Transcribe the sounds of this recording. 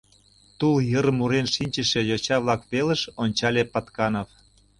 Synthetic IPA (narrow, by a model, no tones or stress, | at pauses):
t̪uljəɾmuɾenʃinʲt͡ɕə̆ʃe̽jot͡ɕɑβlɑkβelə̆ʃonʲt͡ɕɑlʲepɑt̪kɑnof